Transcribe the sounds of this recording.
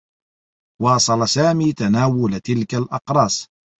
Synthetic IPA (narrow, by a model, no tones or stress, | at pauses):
wɑːsˤɑlasaːmiːt̪anaːwʊlt̪ɪlkalʔɑqɾˤɑːs